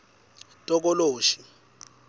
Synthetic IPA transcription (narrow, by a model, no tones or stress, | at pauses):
tʼɔk̬ɔloːʃi̥